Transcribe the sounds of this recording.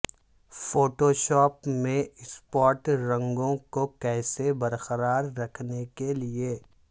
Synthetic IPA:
foːʈoʃɔːpmẽɪspɔːɾʈɾɐ̃ŋɡõkokɛːsebɐɾqəɾaːɾːɐkʰnekelie

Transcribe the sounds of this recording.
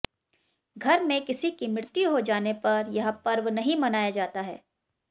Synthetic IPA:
ɡʱɐɾmẽkɪsikimɾɪɾt̪juɦod͡ʒaːnepɐɾjɐɦpɐɾʋnɐɦĩmɐnaːjad͡ʒaːt̪aɦɛ̰ː

